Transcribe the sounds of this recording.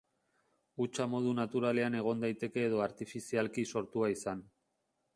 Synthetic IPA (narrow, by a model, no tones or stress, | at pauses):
ut͡ʃamo̞ð̞unat̪uɾale̞ane̞ɣ̞o̞nd̪ajt̪e̞ke̞ːð̞o̞aɾt̪ifisialkiso̞ɾt̪uaisan